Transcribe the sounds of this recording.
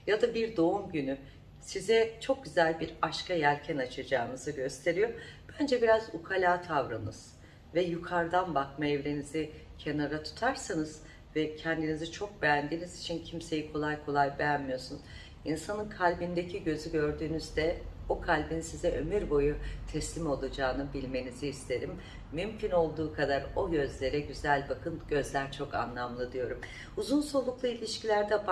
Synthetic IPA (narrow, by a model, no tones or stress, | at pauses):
jad̪abiɾd̪o̞umɟyny | sizɛt͡ʃʰo̞k̚ɟyzælʲbiɾaʃkʰajæɾcʰɛnat͡ʃʰad͡ʒaːnɯzɯɟø̞st̪ʰe̞ɾijo̞b̥ænd͡ʒɛbiɾazukʰalʲaːt̪ʰavɾɯnɯz̥ | vɛjukʰaɾd̪anbakmaɛvɾenizicʰe̞naɾat̪ʰu̥t̪ʰaɾsanɯz̥ | vɛcʰɛnd̪inizit͡ʃʰo̞k̚bejænd̪iːnizit͡ʃʰincʰimse̞jikʰo̞lˠajkʰo̞lˠajbejænmijo̞sun | insanɯnkʰalʲbind̪ecʰiɟø̞zyɟø̞ɾd̪yːnyzd̪ɛokʰalʲbinisizɛʔø̞myɾbo̞jut̪ʰɛslʲimo̞lˠad͡ʒaːnɯbilʲme̞niziist̪ʰe̞ɾimː | ymcyno̞lˠd̪uːkʰad̪aɾo̞ɟø̞zlʲe̞ɾɛɟyzælʲbakʰɯnɟø̞zlʲæɾt͡ʃʰo̞ka̰nlˠamlˠɯd̪ɯjo̞ɾum | uzunso̞lˠuklˠɯilʲiʃcilʲæɾd̪ɛb